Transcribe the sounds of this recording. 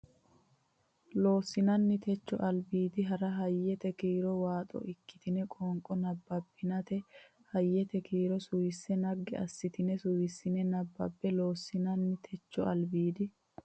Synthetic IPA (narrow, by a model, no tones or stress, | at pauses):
lo̞ːsɪnɐnːɪt̪ʰɛt͡ʃːɔ̰ʔɐlbiːd̪ɪɦɐɾɐɦɐjːɛt̪ɛkiːɾɔwaːt̪ʼɔ̰ʔɪkːɪ̥t̪ɪnɛkʼɔːŋkʼɔnɐbːɐbːɪnɐt̪ɛ | hɐjːɛt̪ɛkiːɾɔsʊjɪsːɛnɐɡːɪ̰ɐ̰sːɪt̪ɪnɛsʊjɪsːɪnɛnɐbːɐ̰bːɛloːsːɪnɐnːɪt̪ʰɛt͡ʃːɔ̰ɐ̰lbiːd̪ɪ